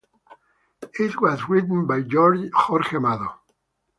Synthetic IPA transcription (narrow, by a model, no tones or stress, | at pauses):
ɪt̚wʌzɹitn̩bajd͡ʒɔɹd͡ʒxɔɾxemaðo